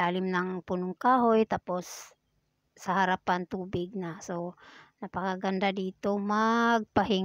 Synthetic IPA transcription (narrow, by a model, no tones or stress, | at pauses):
aːlɪmnaŋpunʊŋkaːɦojt̪aːposː | ɐhaɾapant̪uːbɪɡ̚nasonɐpɐkaɡand̪ad̪iːt̪omaɡ̚paɦɪŋ